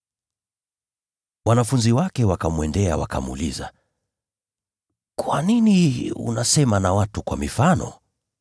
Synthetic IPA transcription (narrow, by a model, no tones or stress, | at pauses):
wanafunziwakɛwakamuɛndɛawaka̰muṵliza̰ | kwaniniṵnasɛmanawatukwa̰mifanɔ̰